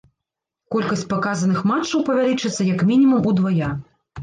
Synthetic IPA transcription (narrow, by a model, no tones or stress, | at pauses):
kɔlʲkɐsʲt͡sʲpakazɐnɨxmat͡ʂːɐwpɐvʲalʲit͡ʂɨt̪sːɐjɐkmʲinʲimumud̪vaja